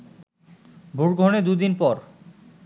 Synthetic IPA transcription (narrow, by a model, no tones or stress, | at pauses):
bʱuɾɡʱoned̪ud̪inpɔɾ